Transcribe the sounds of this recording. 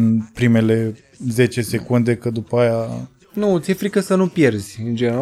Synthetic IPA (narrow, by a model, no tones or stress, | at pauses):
npɾime̞le̞ | ze̞t͡ʃe̞sekund̪e̞kəd̪upəaja | nut̪siefɾikəsənupje̞rzʲɨnd͡ʒeneɾa